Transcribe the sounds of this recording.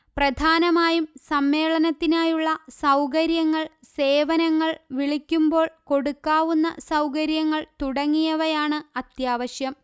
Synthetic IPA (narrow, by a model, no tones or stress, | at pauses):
prɐd̪ʱaːnɐmaːjumsɐmːe̞ːɭɐnɐt̪ːinaːjuɭːɐsɐwkɐɾjɐŋːɐɭ | se̞ːʋɐnɐŋːɐɭʋiɭikʲːumbo̞ːɭko̞ɽukːaːʋunːɐ̰sɐwkɐɾjɐŋːɐɭt̪uɽɐŋːijɐʋɐjaːɳɨɐt̪jaːʋɐɕjɐm